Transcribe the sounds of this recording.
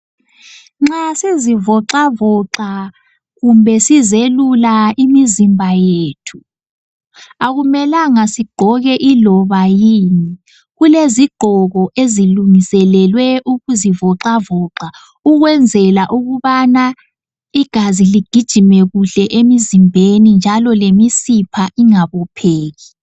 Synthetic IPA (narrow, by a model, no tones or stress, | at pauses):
ŋ͡ǁasizivɔǁavɔǁa | ɣumbʱɛsizelulaimizimbʱajeːtʰu̥ | aɣumɛlaŋasiɡ͡ǃ̥ʱɔɣɛʔilɔβajiːni | ɣuleziɡ͡ǃ̥ʱɔɣɔʔeziluŋisɛlɛlwɛʔuɣuzivɔǃavɔːǁa | uɣwɛnd͡zʱɛlaʔuɣuβana | iɡ̥ʱaziliɡ̥ʱid̥ʒ̥ʱimɛɣuɬɛʔemizimbʱenind͡ʒʱalɔlemisipʰaʔiŋaβɔpʰeːɣi